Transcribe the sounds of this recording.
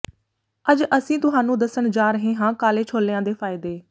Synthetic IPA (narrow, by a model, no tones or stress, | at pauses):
əd͡ʒəsĩːt̪ʊɦaːnũːd̪əsəɳd͡ʒaːɾəɦẽːɦãːkaːleːt͡ʃʰoːlːeãːd̪eːpʰaːɪd̪eː